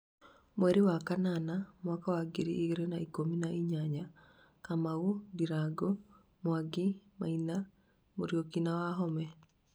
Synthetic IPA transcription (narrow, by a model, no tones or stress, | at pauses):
mwɛɾewakananamwakawaɡeɾiʔːɣeɾenaikominaʔiɲaɲa | kamaudiɾaɡɔ | mwaɡimaina | moɾjokinawaɦɔmɛ